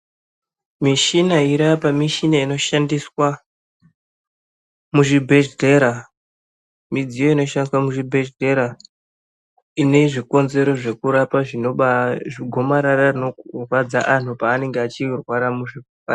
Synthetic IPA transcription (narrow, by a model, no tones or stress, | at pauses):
miʃinaiɾapamiʃinaino̞ʃandiswa | muʐibʱed͡ʒde̞ɾa | mid͡zijo̞ino̞ʃaŋkamuʐibʱed͡ʒde̞ɾa | ine̞ʐiko̞nze̞ɾo̞ʐe̞kuɾapaʐino̞ɓaʐiɡʱo̞maɾararino̞rwad͡zaʔan̤upaːne̞ŋɡeat͡ʃirwaɾamuʐi | a